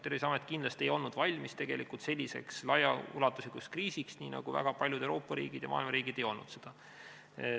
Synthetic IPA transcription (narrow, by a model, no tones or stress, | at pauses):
t̪ːeɾisɑmet̪kind̪lɑst̪ʲe̞jo̞lnud̪̥vɑlʲmist̪e̞ɡ̥e̞likult̪se̞lʲːise̞̰kslɑjɑṵlɑt̪ːˑuslʲikuskriːsiksniːnɑ̰ɡ̥uvæ̰ɡ̥ɑpɑlʲjud̪̥ewɾo̞ːpːˑɑɾḭːɡ̥id̥̪jɑmɑ̰ːilmɑɾiːɡ̥id̪̥ejo̞lnud̪se̞d̪̥ɑ